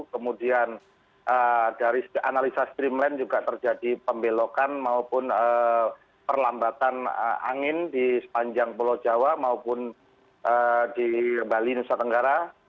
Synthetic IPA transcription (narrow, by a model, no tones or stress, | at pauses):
kəmudian | ʔədaɾisa̰nalisast̪ɾimlɛnd͡ʒuɡaʔt̪ərd͡ʒadipəmbelokanmaupʊnə | pərlambat̪anə̰a̰ŋɪndisə̥paɲd͡ʒaŋpulod͡ʒawamaupʊn | ʔədibalinusat̪əŋɡaɾa